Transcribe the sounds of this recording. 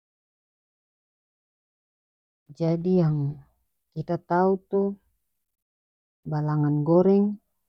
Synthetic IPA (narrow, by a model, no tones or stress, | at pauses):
d͡ʒadijaŋ | kit̪at̪aut̪u | balaŋanɡɔɾɛŋ